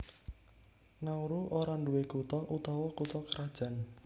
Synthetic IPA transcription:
nauɾuʔoɾaɳɖuwekut̪ɔʔut̪ɔwɔkut̪ɔkəɾad̥ʒ̥a̤n

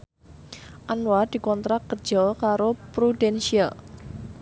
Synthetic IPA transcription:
ʔanwad̪̥i̤kɔnt̪ɾak̚kər̥d͡ʒ̥ɔlkaɾopɾudɛnsial

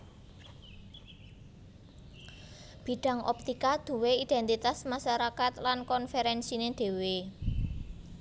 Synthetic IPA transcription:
b̥i̤ɖ̥a̤ŋʔɔ̰p̚t̪ikad̪̥ṳweid̪̥ɛ̤nt̪it̪asmaʃaɾakat̪lankɔnfeɾɛnsineɖ̪̥e̤we

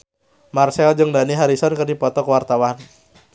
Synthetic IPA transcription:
marsɛld͡ʒɨŋdaniɦaɾisɔnkərdipɔt̪ɔkəwart̪awan

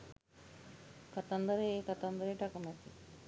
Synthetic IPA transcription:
kɐt̪ɐnd̪ɐɾekɐt̪ɐnd̪ɐɾeʈakɐmɐt̪i

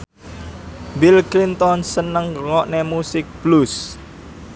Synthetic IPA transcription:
bilklint̪ɔnsənəŋŋɔʔnemusɪk̚b̥lus

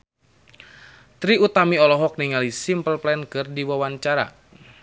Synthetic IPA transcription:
t̪ɾiut̪amiɔlɔɦɔk̚niŋalisimpəlplɛnkɨrdiwawaɲt͡ʃaɾa̰

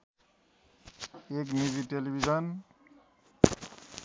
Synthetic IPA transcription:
ek̬mizitelibʱizɔn

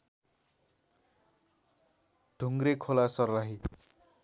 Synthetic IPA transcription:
ɖ̥ʱuŋɡrekʰolasʌrlaɦi

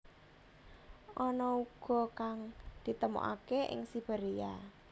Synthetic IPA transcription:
ʔɔnɔuɡ̥ɔ̤kaŋd̪̥i̤t̪əmo̰ʔa̰keʔɪ̰ŋsib̥eɾija

